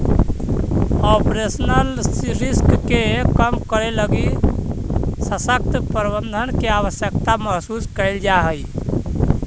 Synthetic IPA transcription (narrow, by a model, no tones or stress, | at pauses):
ɔpɾesnəlsɾiskkekəmkəɾeləɡi | səsək̚t̪pəɾbənd̪ʱənkeaʋəsjəkt̪aməɦsuskəɪld͡ʒaɦəj